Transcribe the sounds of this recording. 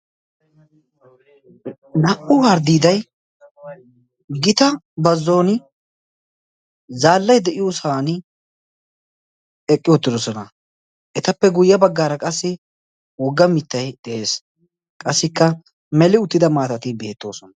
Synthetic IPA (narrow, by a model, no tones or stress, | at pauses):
nɐʔʊwaːɾd̪iːd̪ɐj | ɡɪt̪ɐ | bɐzːo̞ːnɪ | zaːlːɐjd̪ɛʔɪjɔsaːn | ɛkʼːɪjɔt̪ːɪd̪ɔsɔnɐ | ʔɛt̪ɐpːɛɡʊjːɐbɐɡːaːɾɐkʼɐsːɪ | wɔɡːɐmɪt̪ːɐjd̪ɛʔeːs | kʼɐsːɪkːɐ | mɛlɪʊt̪ːɪd̪ɐmaːt̪ɐt̪ɪbe̞ːt̪ːo̞ːsɔnɐ